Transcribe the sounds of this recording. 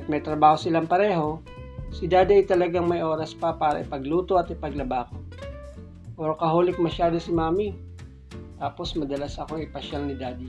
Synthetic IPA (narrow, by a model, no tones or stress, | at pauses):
t̪̚mɐjt̪ɾɐbaːhosɪlaŋpɐɾɛːɦo̞ | sɪd̪aːd̪ɐjt̪ɐlɐɡaŋmɐjʔo̞ːɾɐspɐpaːɾɐ̰ʔɪpɐɡluːt̪oɐt̪ɪpɐɡlɐbaːko | ʔoɾkɐɦoːlɪk̚mɐʃaːd̪osɪmaːmi | t̪aːposmɐd̪ɐlasɐkoŋɪpɐʃalnɪd̪aːd̪i